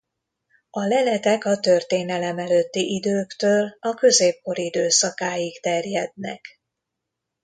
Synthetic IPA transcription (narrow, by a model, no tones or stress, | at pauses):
ɒlɛlɛt̪ɛkɒt̪ø̞rt̪eːnɛlɛmɛløt̪ːiʔid̪øːkt̪øːlɒkø̞zeːp̚ko̞ɾid̪øːsɒkaːjikt̪ɛrjɛd̪̚nɛ̰k